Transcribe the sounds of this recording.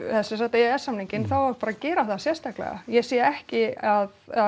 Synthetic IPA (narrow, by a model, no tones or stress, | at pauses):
θɛsɛnsaht̪eɛsːamniŋcɪnθawaɾpaːɾacɛːɾaθaðsjɛɾ̥st̪ahklɛ̰ɣa̰jɛɣsiːjɛhcɪað | a